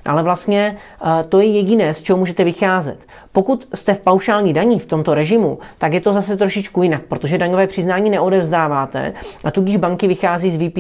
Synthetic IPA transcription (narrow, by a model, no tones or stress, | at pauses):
ʔa̰lɛvlast̪ɲɛ | t̪o̞jɛjɛɟɪnɛːst͡ʃɛɦomuːʒɛt̪ɛvɪxaːzɛ̰t̪ | po̞kut̪st̪ɛfpawʃaːlɲiːdaɲift̪o̞mt̪o̞ɾɛʒɪmut̪akjɛt̪o̞zasɛt̪ɾoʃɪt͡ʃkujɪnak̚pɾo̞t̪oʒɛdaɲovɛːpr̝̥ɪznaːɲiːnɛʔo̞dɛvzdaːvaːt̪ɛ̰ʔat̪uɟɪʒbaŋkɪvɪxaːziːzvipː